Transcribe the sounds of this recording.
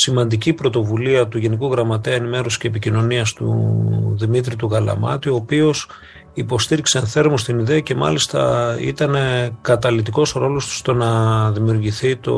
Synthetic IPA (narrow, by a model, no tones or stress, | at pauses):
simɐnd̪icipɾo̞t̪o̞vuliɐt̪uʝe̞nikuɣɾɐmɐt̪eɐenime̞ɾosi̥ce̞ːpicino̞niɐst̪ṵðimit̪ɾit̪uɣɐlɐ̰mɐ̰t̪io̞ːpio̞s | ipo̞st̪iɾikse̞ːnθe̞ɾmost̪iniðeɐce̞mɐ̰list̪ɐ̰ḭt̪ɐne̞kɐt̪ɐlit̪iko̞sɾo̞lo̞st̪u̥st̪o̞nɐðimiuɾʝiθit̪o̞̰